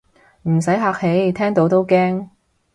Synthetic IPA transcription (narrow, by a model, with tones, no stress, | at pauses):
m̩˨˩sɐ˨˥jɦaː˧k̚he˨˥jt̪ʰɛː˥ŋt̪o˨˧˥wt̪o˥wkɛː˥ŋ